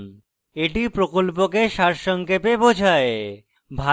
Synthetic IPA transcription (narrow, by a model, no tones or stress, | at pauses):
n | eʈipɾokolpokeʃaɾʃɔŋkepebod͡ʑʱae | bʱa